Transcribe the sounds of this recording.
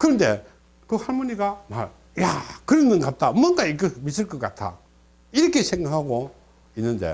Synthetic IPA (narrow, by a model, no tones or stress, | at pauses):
kɯɾʌnde̞̰ | kɯhaɭmuniɡamaɭ | jakɯɾenːɯnɡat̚t͈ʰamʌnɡaikɯmis̬ɯɭk͈ʌk͈atʰa̰ | iɾʌkʰe̞sʰe̞ŋɡakʰaɡo | inːɯnde̞̰